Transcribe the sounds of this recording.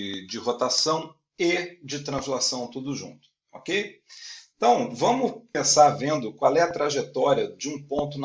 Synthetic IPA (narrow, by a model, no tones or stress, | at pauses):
ɪd͡ʒɪhot̪asɐ̃w̃ | ɪd͡ʒɪt̪ɾɐ̃zlasɐ̃w̃t̪ud̪ʊʒṵ̃t̪ʊ̥ | okej̃ | t̪ɐ̃w̃vɐ̃mʊpẽsaɾvẽnd̪ʊkwawɛɐt̪ɾaʒet̪ɔɾiɐd͡ʒɪũpõnt̪ʊn